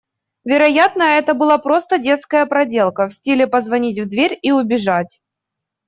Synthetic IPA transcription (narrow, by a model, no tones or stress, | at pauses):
vʲɪɾɐjat̪nəɛt̪əbɨlˠapɾo̞st̪ədʲe̞t̪skəjəpɾɐdʲe̞lˠkəfsʲtʲilʲɪpəzvɐnʲit̬ʲvd̪vʲeɾʲiʊbʲɪʐatʲ